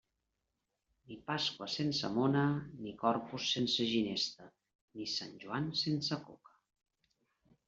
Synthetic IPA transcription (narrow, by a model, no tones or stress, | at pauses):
nipaskwəsensə̰monənikɔɾpusːensəʒinest̪ə | nisanʲʒuansensəko̰kə̥